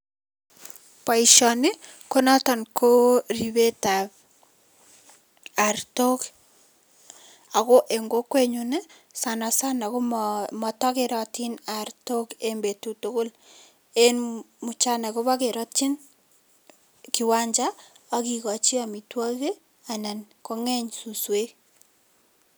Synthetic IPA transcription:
pa˨i˨ʃɔ˨ne˦ko˦na˦tɔ˨nkʰo˦ri˨βe˦ta˨ | a˨ɾto˦k | a˨ɣo˦ʔe˨ŋɡo˦kwe˦ɲu˦nɛ˦ | sa˨na˨sa˦na˨ko˦mɔ˨tɔ˦ke˨ɾɔ˨ti˦na˨ɾto˦ke˦mbe˨tu˨to˦ko˦l | e˦n | mu˨t͡ʃa˦na˨ko˦βa˦ke˨ɾɔ˦ti˦n | ki˨wa˦ɲd͡ʒa˦ | a˦ki˨kɔ˨t͡ʃi˦a˨mi˨twa˦ɣe˦ | a˨na˨n | ko˦ŋɛ˦ɲsu˨swe˦

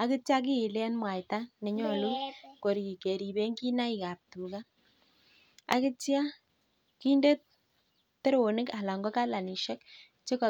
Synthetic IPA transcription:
a˨kɪ˦t͡ʃja˦k̬i˦ɪ˨la˦nmwa˨jta˦ne˨ɲɔ˦lu˦ko˨ɾi˨i˨ke˨ɾi˨be˦ŋɡi˦na˦i˨ka˨p̚tu˨ka˦ | a̰˨kɪ˦tja˦ | ki˦nde˦t̚ | te˦ɾo˨nɪ˦ka˨la˨ŋɡɔ˦ka˦la˨ni˨ʃɛ˦k | t͡ʃe˦kɔ˨

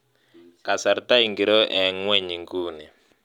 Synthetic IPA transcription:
ka˨sa˨ɾt̪a˦i˨ŋɡi˨ɾɔ˦ʔɛ˨˦ŋ˦wɛ˦ɲi˨ŋɡuː˦ni˨

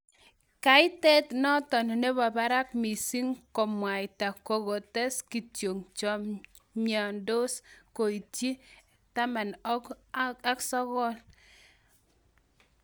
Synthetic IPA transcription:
ka˨ɪ˦tɛ˦tnɔ˦tɔ˨n˨ne˦ba˨ba˦ɾa˦k̚mi˨si˦ŋkɔ˨mwa˨jta˨ko˨ɣɔ˨tɛ˦ski˨tjo˨ŋt͡ʃɔ˦m | ɲa˨ndo˦sko˨i˨tji˦ | ta˦ma˨n˦a˦ksɔ˦ɣɔ˦l

